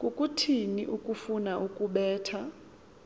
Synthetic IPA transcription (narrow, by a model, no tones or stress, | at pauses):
kʼukʼutʰinḭʔukʼufunaʔukʼuɓɛːtʰa